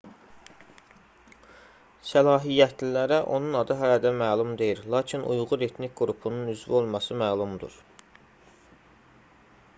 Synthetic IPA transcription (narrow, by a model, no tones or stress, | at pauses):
sælɑːɦijːæt̪ʰlilæɾæʔo̞̰nunɑd̪ɯɦælæd̪æmæːlˠumd̪e̞jiɾlˠɑːcʰinʔṵjʁuɾet̪ʰnic̚ɡɾupʰununyzvio̞lˠmɑsɯmæːlˠumd̪ṵɾ